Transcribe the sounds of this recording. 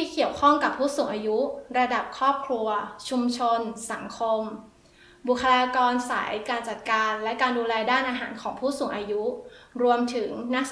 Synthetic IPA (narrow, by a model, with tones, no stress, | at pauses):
t̪ʰiː˥˩ki˨˩əwkʰɔ˥˩ŋka˨˩pʰːuː˥˩suː˨˩˦ŋʔaː˧ju˦˥ɾa˧da˨˩p̚kʰɾɔː˥˩p̚kʰlu˧ɐt͡ɕʰu˧mt͡ɕʰo˧nsa˩˦ŋkʰo˧m | bu˨˩kʰːa˧laː˧kɔː˧nsa̰˩˦jkaː˧nt͡ɕa˨˩t̪̚kaː˧nlɛ˦˥kaː˧nduː˧lɛː˧jdaː˥˩nʔaː˧ɦaː˩˦nkʰɔː˩˦ŋpʰuː˥˩suː˨˩˦ŋʔaː˧ju˦˥ɾu˧əmt̪ʰɯ˩˦ŋna˦˥k̚